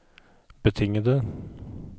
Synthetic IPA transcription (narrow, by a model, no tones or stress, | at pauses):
b̥ət̪ʰɪŋəd̪ə